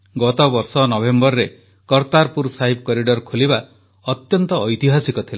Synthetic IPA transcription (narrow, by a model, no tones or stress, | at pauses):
ɡɔt̪ɔbɔɾsɔnɔbembɔɾɾe | kɔɾt̪aɾpuɾsaɦib̚kɔɾiɖɔɾkʰoliba | ɔt̪jɔnt̪ɔːjt̪iɦasikɔt̪ʰila